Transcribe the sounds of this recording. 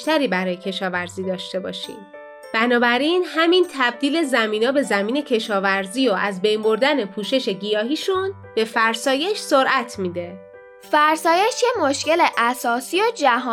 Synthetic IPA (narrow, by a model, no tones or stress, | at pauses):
t̪æɾiːbæɾɒːje̞cʰe̞ʃɒːvæɾziːd̪ɒːʃt̪e̞bɒ̰ːʃḭːm | b̥ænɒːbæɾiːnhæmint̪ʰæb̚d̪iːlezæmiːnɒːbe̞zæmiːne̞cʰe̞ʃɒːvæɾziːoʔæzbe̞jmbo̞ɾd̪æne̞pʰuːʃe̞ʃe̞ɡijɒːɦiːʃun | b̥e̞fæɾsɒːje̞ʃsoɾʔæt̪ʰmiːd̪e̞ | fæɾsɒːjeʃjemoʃceleʔæsɒːsiːod͡ʒæɦ